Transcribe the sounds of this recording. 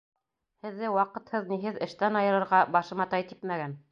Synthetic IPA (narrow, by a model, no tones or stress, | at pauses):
hɘ̆ðːɘwɑqɤ̆t̪hɤðniɦɘðɘ̆ʃt̪ænɑjɤ̆ɾɤ̆ɾʁɑbɑʃɤ̆mɑt̪ɑjt̪ipmæɡæn